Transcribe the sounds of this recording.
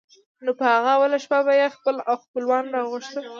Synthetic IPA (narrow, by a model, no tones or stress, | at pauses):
nopəhaɣaawalaʃpabajexpəlawxpəlwɑnɾɑɣəʃt̪ə